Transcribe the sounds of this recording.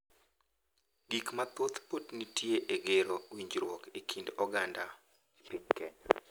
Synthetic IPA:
ɡikmat̪ʊt̪potnitʰjeʔeɡɪɾowiɲd͡ʒɾwɔkikʰindɔɡanda | pikːɛ

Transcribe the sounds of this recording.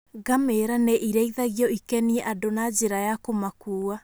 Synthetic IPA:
ɡameɾaneʔiɾɛiðaɣjɔikɛniɛʔadonad͡ʑeɾajakomakuːa

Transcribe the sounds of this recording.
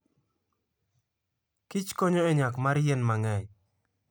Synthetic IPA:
kit͡ʃkɔɲɔɛɲakmaɾijenmaŋɛɲ

